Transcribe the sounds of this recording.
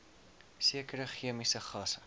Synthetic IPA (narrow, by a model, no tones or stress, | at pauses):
siəkəɾəχiəmisəχɑːsə